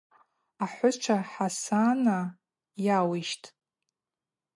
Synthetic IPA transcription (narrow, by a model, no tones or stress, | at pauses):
aħʷʊʈ͡ʂʷʰaħasana | jawiʃtʼ